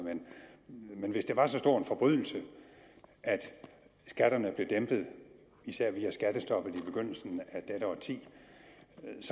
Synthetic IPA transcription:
men | menʋe̝sd̥e̝ʋɑ̈sɒ̽sd̥o̝ɐ̰enfɒ̽b̥ʁyðˠl̩sə | ʔæd̥ | sɡ̥æɾ̥ɐnəb̥le̝d̥emb̥ð̞̩ˠ | isæɐ̰ʋiːæsɡ̥æd̥əsd̥ɒ̽b̥ð̩ˠib̥e̝ɡ̥øn̰l̩sn̩æd̥eɾ̥əɒt͡sʰḭː | s

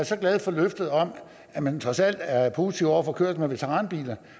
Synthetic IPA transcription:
æsɒ̽ɡ̥lɛð̞ˠfɒ̽løfd̥ð̞̩ˠɒ̽m | æmænt͡sʰʁɒ̽sæl̰d̥æɐpʰo̝ːsit͡sʰiʊ̰ɒʊɐfɒ̽kʰøɐ̰d̥̩ˠmeʋe̝t͡sʰeʁɑ̈ːnb̥ḭːlɐ

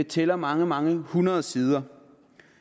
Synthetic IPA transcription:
et͡sʰelɐmɑ̈ŋəmɑ̈ŋəhunɐð̞̩ˠsiːð̞ˠɐ

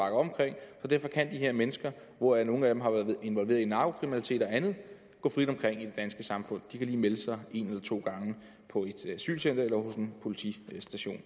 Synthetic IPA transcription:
ɑ̈ɡ̥ɐɒ̽ɒm̩kʰʁeŋ̰sɒ̽d̥æɐfɒ̽kʰænd̥iɦeɐmenəsɡ̥ɐ | ʋɒæno̝ːn̩æd̥emɦɑ̈ʋæːɐðˠʋ̩ˠe̝nʋɒ̽lʋe̝̰ːɐinɑ̥̈ːokʰʁiminælit͡sʰe̝̰ːd̥ɒ̽ænð̞̩ˠ | ɡ̥ɔ̰̽ːfʁid̥ɒ̽mkʰʁeŋ̰id̥e̝d̥ænsɡ̥əsɑ̈mfɔ̽n̰d̥ikʰæliːmeləsɑ̈ɪe̝nelɐt͡sʰo̝̰ːɡ̥ɑ̈ŋə | pʰɒ̽e̝d̥æsy̰ːlsen̰d̥ɐelɐho̽senpʰo̝lit͡sʰḭsd̥æɕo̝̰ːn

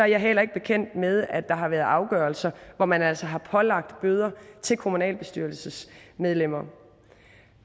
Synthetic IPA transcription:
ɒ̽æɐjɑɦel̰ɐe̝ɡ̥̚b̥e̝kʰen̰d̥með̞ˠæd̥ɑ̈ɦɑ̈ʋæɐð̩ˠɑ̈ʊɡ̥ɶːɐlsɐʋɒmænæl̰sɐɦɑ̈pʰɒ̽lɑ̈ɡ̥̚d̥b̥øːð̞ˠɐt͡sʰe̝lkʰo̝munɛ̰ːlb̥e̝sd̥yɐlsəsmeð̞ˠlem̰ɐ

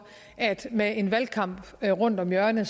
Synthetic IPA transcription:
æd̥meʔe̝nʋælkʰɑ̈m̰b̥ | ʁɔ̽n̰d̥ɒ̽mjɶɐnəs

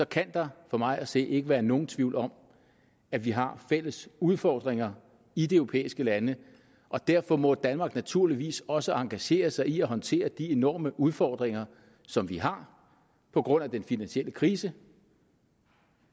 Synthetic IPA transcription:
sɒ̽kʰænd̥ɑ̈fɒ̽mɑ̈ɪʔæse̝̰ːʔe̝ɡ̥əʋæːɐno̝ːn̩t͡sʰʋiʊlɒ̽m | æʋiɦɑ̈fel̰əsuð̞ˠfɒːd̥ʁeŋɐ | id̥e̝øʊʁopʰḛːisɡ̥əlænə | ʔɒ̽d̥æɐ̰fɒ̽mɒ̽d̥ænmɑ̈ːɡ̥næt͡sʰuɐ̰liʋḭːsɒ̽səʔɑ̈ŋɡ̥æɕe̝̰ːɐsɑ̈ɪiæɦɒ̽nt͡sʰe̝̰ːɐd̥ie̝nɒ̰ːməʔuð̞ˠfɒːd̥ʁeŋɐ | sɒ̽mʋiɦɑ̈ | pʰɒ̽ɡ̥ʁɔ̽n̰æd̥enfinænɕel̰əkʰʁiːsə

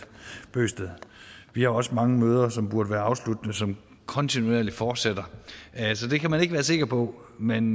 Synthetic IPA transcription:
b̥ø̰ːsd̥əð̩ˠʋihɑ̈ɒ̽səmɑ̈ŋəmøːð̞ˠɐsɒ̽mb̥uɐd̥əʋæːɐɑ̈ʊslud̥nəsɒ̽m | kʰɒ̽nt͡sʰinuḛɐlifɒːd̥sed̥ɐsɒ̽d̥e̝kʰæmæne̝ɡ̥ʋæːɐse̝ɡ̥ɐpʰɒ̽ | men

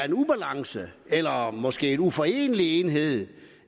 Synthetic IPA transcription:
ɐe̝nub̥ælɑ̈ŋsəelɐmɒ̽sɡ̥e̝̰ːenufɒ̽e̝̰ːnəlie̝ːnɦe̝ð̞̰ˠ

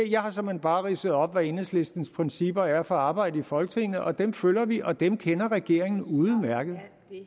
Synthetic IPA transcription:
jɑ̈ɪhɑ̈sɒ̽menb̥ɑ̈ːʁiːsəð̞̩ˠɒ̽b̥ʋæe̝nesle̝sd̥n̩spʰʁinsib̥ɐæɐfɒ̽ɑ̈ːb̥ɑ̈ɪ̰dəifɒ̽lɡ̥ət͡sʰe̝ŋnð̩ɒ̽d̥emfølɐʋiʔɒ̽d̥emkʰenɐʁɛɡ̥e̝ɐ̰eŋn̩uð̩ˠmæɐɡ̥əð̞̩ˠ

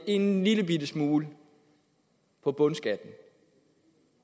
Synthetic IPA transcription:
e̝nliləb̥idəsmuːlə | pʰɒ̽b̥ɔ̽nsɡ̥æd̥n̩

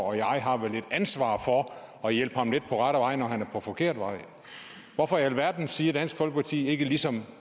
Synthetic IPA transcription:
ɒjɑ̈ɪɦɑ̈ʋele̝d̥ænsʋɑ̰̈ːfɒ̽ | ɒ̽jel̰b̥hɑ̈mle̝d̥̚pʰɒ̽ʁɑɾ̥əʋɑ̈ɪ̰nɒɦænæɐpʰɒ̽fɒ̽kʰe̝ɐ̰d̥ʋɑ̈ɪ̰ | ʋɒfɒælʋæɐd̥n̩siːɐ̥d̥æn̰sɡ̥fɒ̽lɡ̥əpʰɑ̈t͡sʰḭːe̝ɡ̥əlisɒ̽m

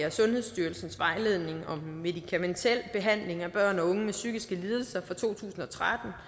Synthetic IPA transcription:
ɐsɔ̽nhe̝ðˠsd̥yːɐlsn̩sʋɑ̈ɪle̝ð̞̰ˠne̝ŋɒ̽mːe̝ðˠikʰæment͡sʰel̰b̥e̝ɦæn̰le̝ŋæb̥ɶɐ̰nɒ̽ɔ̽ŋəmesyɡ̥isɡ̥əliːð̞ˠl̩sɐfʁɒt͡sʰo̝̰ːt͡sʰṵːsn̩ɒ̽t͡sʰʁad̥n̩

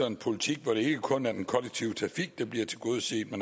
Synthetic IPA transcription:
ɐenpʰo̝lit͡sʰiɡ̥ʋɒɾ̥e̝e̝ɡ̥əkʰɔ̽næɐd̥enkʰɒ̽leɡ̥̚t͡sʰiʊət͡sʰʁɑ̈fiɡ̥̚d̥ɑ̈b̥liɐ̰t͡sʰe̝ɡ̥o̝ːðˠəse̝̰ːd̥mæn

